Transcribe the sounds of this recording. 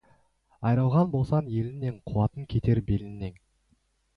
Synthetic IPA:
ɑjɾɑlˠʁɑnbo̞lˠsɑnje̞lɪnːe̞ɴqʰuwɑt̪əŋkʲʰe̞t̪e̞ɾbelɪnːe̞ŋ

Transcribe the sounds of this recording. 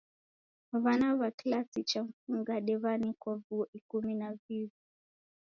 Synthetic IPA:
vanavakilasit͡ʃam̩fuŋɡaɗɛvanikɔvuʔikuminavivi

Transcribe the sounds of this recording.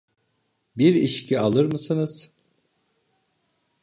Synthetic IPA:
biɾiʃcʰialˠɯɾmɯsɯnɯz̥

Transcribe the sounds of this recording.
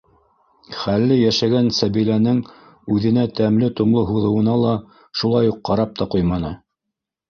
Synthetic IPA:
χælːɘjæʃæɡænsæβilænɘŋ | ʉðɘ̆næt̪æmlɘt̪ŏmlˠɤɦuðɤ̆wɤ̆nɑlˠɑ | ʃulˠɑjuqːɑɾɑp̚t̪ɑqujmɑnɤ

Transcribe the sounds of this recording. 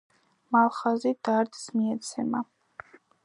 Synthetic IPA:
malˠχazid̪aɾd̪smiɛt̪sʰɛma

